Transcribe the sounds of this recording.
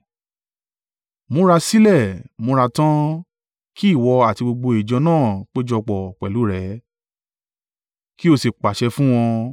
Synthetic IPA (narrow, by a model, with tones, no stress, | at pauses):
mõ˨˦ɾa˧si˦lɛ˦˨mõ˧˦ɾa˧tã˦ | kʰi˦˨wɔ˧a˨ti˧ɡ͡bo˧ɡ͡bo˧i˨d͡ʒɔ˧nãː˦˨k͡pe˦d͡ʒɔ˧k͡pɔ˨k͡pɛ˨lu˨˦ɾɛ˨˦ | ki˦o˧se˨k͡pa˨ʃɛ˧fũ˦w̃ɔ̃˧